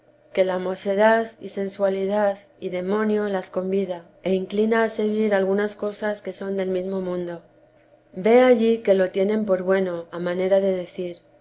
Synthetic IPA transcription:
ke̞lamo̞θe̞ð̞aðḭse̞nswaliðað | iðe̞mõ̞njo̞lasko̞mbiða | e̞iŋklinaːse̞ɣ̞iɾalɣ̞unasko̞saske̞so̞nd̪e̞lmizmo̞mũnd̪o̞ | be̞aʝike̞lo̞t̪je̞nẽ̞mpo̞ɾβwe̞no̞amãne̞ɾaðe̞ðe̞θiɾ

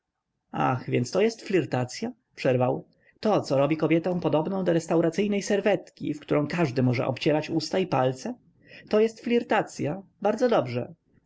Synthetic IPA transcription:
a̰xvʲjɛnst̪ɔjɛst̪flʲiɾt̪at̪sʲja | pʂɛɾvaw | t̪ɔt̪sɔɾɔbʲikɔbʲjɛt̪ɔ̃w̃pɔd̪ɔbnɔ̃w̃d̪ɔɾɛst̪awɾat̪sɘjnɛjsɛɾvɛt̪kʲḭfkt̪uɾɔ̃w̃kaʐd̪ɘmɔʐɛ̰ʔɔ̰pt͡ɕɛɾat͡ɕust̪aipalt̪sɛ | t̪ɔjɛst̪flʲiɾt̪at̪sʲjabaɾd̪zɔd̪ɔbʐɛ̰

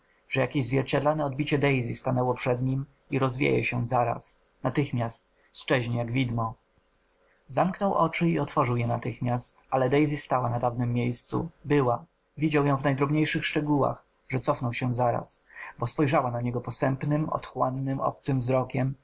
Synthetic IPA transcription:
ʐ̥ɛjakʲeʑzvʲjɛɾt͡ɕad̪lanɛɔd̪̚bʲit͡ɕɛd̪ɛjzʲist̪anɛwɔpʂɛd̪ɲim | iɾɔzvʲjḛjɛ̰ɕɛzaɾa̰s | nat̪ɘxmʲast̪ | st͡ʂɛʑɲejaɡvʲid̪mɔ | zamknɔwʔɔt͡ʂɘiɔt̪fɔʐɘwjɛnat̪ɘxmʲjast̪alɛd̪ɛjzʲist̪awanad̪avnɘmːjejst̪sṵbɘwa | vʲid͡ʑawjɔ̃w̃vnajd̪ɾɔbɲejʂɘxʂt͡ʂɛɡuwa̰x | ʐɛt̪sɔfnɔwɕɛzaɾa̰sbɔspɔjʐawanaɲɛɡɔpɔsɛmpnɘmɔ̰t̪xwanːɘmɔ̰p̚t̪sɘmvzɾɔkʲɛm

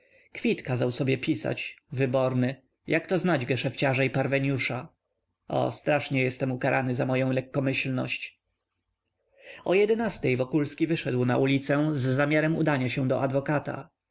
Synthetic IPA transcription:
kfʲit̪kazawsɔbʲjɛpʲisa̰t͡ɕvɘbɔɾnɘ | jakt̪ɔznad͡ʑɡɛʂɛft͡ɕaʐaipaɾvɛɲjuʂa | ɔ̰st̪ɾaʂɲɛjɛst̪ɛmukaɾʔanɘzamɔjɔ̃w̃lɛkːɔmɘɕlnɔ̰ɕt͡ɕ | ɔjɛd̪ɛnast̪ɛjvɔkulskʲivɘʂɛd̪wnaʔulʲit̪sɛzːamʲjaɾɛmṵd̪aɲaɕɛw̃d̪ɔʔad̪vɔkat̪a̰

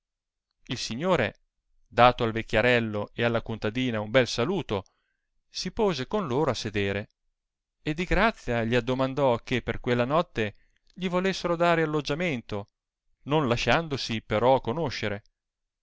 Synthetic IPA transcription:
ilsiɲːoːɾe | d̪aːt̪oalvekʲːjaɾɛlːoealːakunt̪ad̪iːnaumbɛlsaluːt̪o | sipoːzekonloːɾoasːed̪eːɾe | ed̪ːiɡɾat̪sːjaʎiad̪ːomand̪ɔkepːerkwelːanɔt̪ːe | ʎivolesːeɾod̪aːɾealːod͡ʒament̪o | nonlaʃand̪osipeɾɔkːonoʃːeɾe

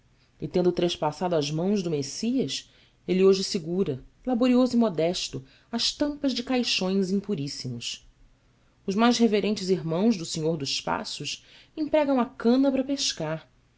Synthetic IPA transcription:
ɪt̪ẽnd̪ʊt̪ɾeʃpasad̪ʊɐzmɐ̃w̃zd̪ʊmesiɐs | elɪoʒɪsiɡuɾɐlaboɾiozʊimod̪ɛʃt̪ʊ | ɐʃt̪ɐ̃mpɐʒd͡ʒɪkajʃõj̃zĩpuɾisimʊs | ʊʒmajzɦeveɾẽnt͡ʃɪziɦmɐ̃w̃zd̪ʊsẽɲoɾd̪ʊzʃpa̰sʊʃ | ẽpɾɛɡɐ̃w̃ɐkɐ̃nɐpɾɐpeʃkaɾ

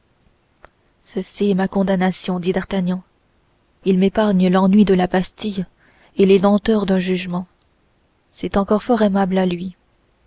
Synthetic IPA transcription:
səsiɛmakɔ̃d̪anasjɔ̃d̪id̪aʁt̪aɲjɑ̃ | ilmepaʁɲəlɑ̃nɥid̪əlabast̪ij | eled̪ɑ̃t̪œʁd̪ɛ̃ʒyʒmɑ̃ | sɛt̪ɑ̃kɔʁfɔʁɛmablalɥi

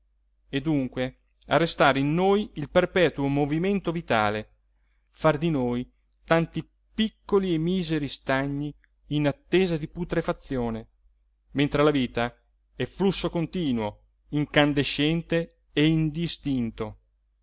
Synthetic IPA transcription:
ed̪uŋkwe | a̰rːest̪aːɾeinːoːjilperpɛːt̪uomoviment̪ovit̪a̰ːle | fard̪inoːj | t̪ant̪i | pikːoliemiːzeɾist̪aɲːiː | nat̪ːeːzad̪iput̪ɾefat̪sːjoːne | ment̪ɾelaviːt̪a | ɛflusːokont̪iːnwo | iŋkand̪eʃɛnt̪e | eind̪ist̪int̪o

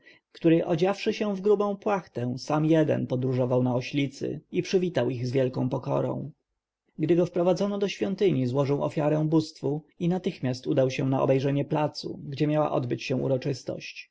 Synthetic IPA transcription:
kt̪uɾɘʔɔd͡ʑafʂɘɕɛ̃vɡɾubɔ̃w̃pwaxt̪ɛ̃samjɛd̪ɛ̰npɔd̪ɾuʐɔvawnaɔɕlʲit̪sɘ̰ipʂɘvʲit̪awiɣzvʲjɛlkɔ̃w̃pɔkɔ̰ɾɔ̰̃w̃ | ɡd̪ɘɡɔfpɾɔvad̪zɔnɔd̪ɔɕfʲjɔnt̪ɘɲizwɔʐɘwɔ̰fʲjaɾɛ̃w̃bust̪fuinat̪ɘxmʲjast̪ud̪awɕɛnaɔ̰bɛjʐɛɲɛplat̪sṵɡd͡ʑɛmʲjawa̰ʔɔd̪bɘt͡ɕɕɛ̃ṵɾɔt͡ʂɘst̪ɔ̰ɕt͡ɕ

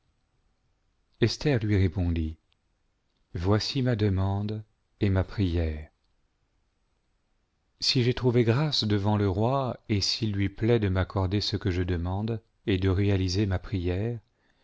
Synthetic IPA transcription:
ɛst̪ɛʁlɥiʁepɔ̃d̪i | vwasimad̪əmɑ̃d̪ | emapχijɛːʁ | siʒet̪χuveɡʁasd̪əvɑ̃ləʁwaesilɥiplɛd̪əmakɔʁd̪esəkəʒəd̪əmɑ̃d̪ | ed̪əʁealizemapχijɛʁ

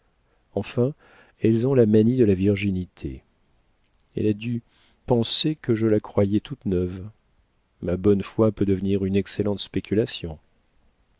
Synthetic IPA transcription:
ɑ̃fɛ̃ | ɛlzɔ̃lamanid̪əlaviʁʒinit̪ʰḛ | ɛ̰lad̪y | pɑ̃sekəʒəlakχwajɛt̪ʰut̪nœv | mabɔnfwapød̪əvniʁynɛkselɑ̃t̪spekʲylasjɔ̃

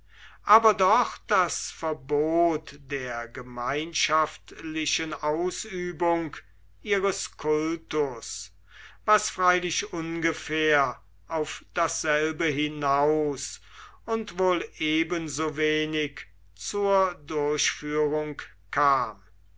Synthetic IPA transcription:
ʔaːbɐdɔχd̥asfɛɐboːtd̥eːɐɡəmaɪnʃaftlɪʃənʔaʊsyːbʊŋk | ʔiːʁəskʰʊltʊs | vasfʁ̥aɪlɪʃʊnɡəfeːɐ | ʔaʊfd̥asz̥ɛlbəɦɪnaʊsʊntvoːleːbənzoːveːnɪk | t͡suːɐdʊɐɕfyːʁʊŋk | kʰːaːm

